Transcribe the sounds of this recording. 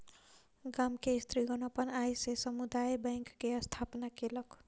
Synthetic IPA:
ɡamkest̪ɾiɡʌnʌpʌnajsesʌmud̪ajbʌŋkːeʌst̪ʰapnakelʌk

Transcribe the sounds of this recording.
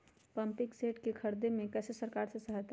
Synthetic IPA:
pɐ̃mpɪkseːʈkekʰɐɾd̪emẽkɛːsesɐɾkaːɾsesɐɦat̪

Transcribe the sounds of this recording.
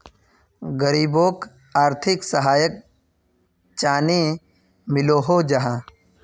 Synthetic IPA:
ɡəɾiːboːk | aːɾt̪ʰɪksəɦaːjək̚ | t͡ʃaːni | mɪloːɦoːd͡ʒɐɦãː

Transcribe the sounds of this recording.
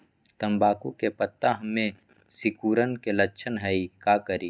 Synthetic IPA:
t̪ɐmbaːkukepət̪ːaɦɐmẽ | sɪkuːɾənkelɐtːʃʰənɦɛikaːkəɾiː

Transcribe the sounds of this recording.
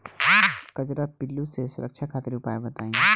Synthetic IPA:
kɐd͡ʒɾapɪlːusesʊɾəkʃʰakʰaːt̪ɪɾʊpaːebɐt̪aːĩ

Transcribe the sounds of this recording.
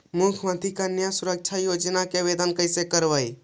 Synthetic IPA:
mukʰmãt̪ikanjasuɾək̚t͡ʃʰajod͡ʒnakeʋed̪ənkəɪsekəɾʋəj

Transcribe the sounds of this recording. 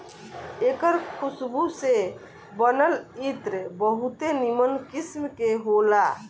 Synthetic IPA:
ekəɾkʰusbuse | bənəlit̪ɾbəɦut̪enimənkismkeɦola

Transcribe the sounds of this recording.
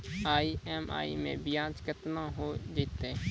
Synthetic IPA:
aːiɛːma̰ːḭmḛ̃bɪjãːt͡ʃkət̪nãɦod͡ʒet̪eː

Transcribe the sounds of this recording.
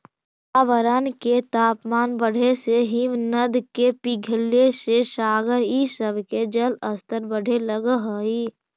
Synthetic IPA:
aːʋəɾəːnket̪aːpmaːnbəɽ̤eseɦimnəd̪kepiɡʱəlːeseʃaːɡəɾisəbʱked͡ʒələst̪əɾbəɽ̤ʱeləɡɦoiː

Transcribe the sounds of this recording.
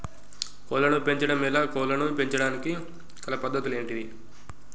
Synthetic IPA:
kɔːlɐnupe̞ɲt͡ʃɐɽɐmilaːkɔːlɐnupe̞ɲt͡ʃɐɽaːniki | kɐlɐpɐd̪ːɐt̪ule̞ːɳʈid̪i

